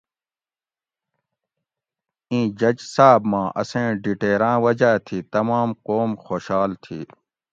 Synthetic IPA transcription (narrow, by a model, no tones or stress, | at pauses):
ĩːd͡ʑɐd͡ʑsaːbmãːʔɐ̰sẽːɖiʈeːɾãːwɐd͡ʑaːt̪ʰiːt̪ɐmaːmqoːmxoːɕaːlt̪ʰḭː